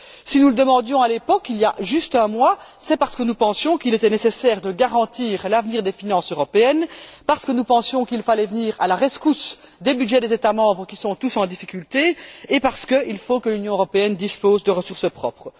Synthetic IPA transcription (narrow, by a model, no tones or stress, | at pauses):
sinuləd̪əmɑ̃d̪jɔ̃alepɔkiljaʒyst̪ɛ̃mwasɛpaʁsə̥kənupɑ̃sjɔ̃kilet̪ɛnesesɛːʁd̪əɡaʁɑ̃t̪iːʁlavniːʁd̪efinɑ̃søʁɔpeɛnpaʁsə̥kənupɑ̃sjɔ̃kilfalɛvəniːʁa̰laʁeskus | d̪ebyd̪ʒɛd̪ezet̪amɑ̃ːbʁəkʲisɔ̃t̪usɑ̃d̪ifikʲylt̪eːpaʁsə̥kəʔilfokəlynjɔ̃øʁɔpeɛnd̪ispoːzd̪əʁəsuʁsəpχɔ̰pχə